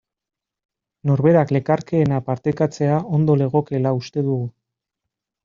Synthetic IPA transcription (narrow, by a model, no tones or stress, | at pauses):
no̞ɾβe̞ɾakle̞kaɾke̞ːnapaɾt̪ekat͡se̞ao̞nd̪o̞le̞ɣ̞o̞ke̞laust̪e̞ðuɣu